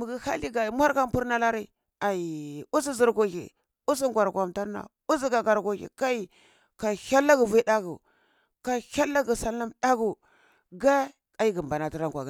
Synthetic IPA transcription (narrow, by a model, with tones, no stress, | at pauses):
mu˨ɡi˦ha̰˦li˦ɡa˨i˨mʷa˦ɾka˦m˦pu˦ɾna˦la˦ɾi˦˨ | a˨i˨u˦si˦zi˨ɾɡo˨ɣḛ˨ | u˦si˦ŋ˦ɡʷa˨ɾkʷa˨mta˦ɾna̰˨ | u˦s̬i˦ɡa˨ɡa˨ɾɡo˨ḛ˨ka˦i˨ | ka˨ha˦lːa˦ɡu˨vi˦da˦ɡu˨ | ka˨ha˦lːa˦ɡi˨sa˦lːa˦mɗa˦ɡu˨ | ɡa˦ | a˨ji˦ɡi˨mba˨na˨ti˦ɾa˦ŋɡʷa˨ɡa˨